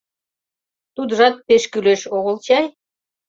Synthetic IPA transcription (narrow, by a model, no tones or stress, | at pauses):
t̪ud̪əʒɑt̪̚peʃkyleʃoɣə̆lt͡ɕɑj